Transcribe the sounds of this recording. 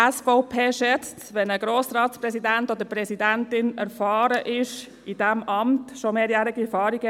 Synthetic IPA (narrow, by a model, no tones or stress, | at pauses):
ɛsfoʊpʰeːʃɛt͡stʋɛnəɡɾoːsɾɑːtspɾɛsidɛntoːd̪əɾpɾɛsidɛntɪnɛɾfɑːɾəʔɪʃ | idɛmʔɑmtʃomeːɾjæːɾɪɡifɑːɾɪɡə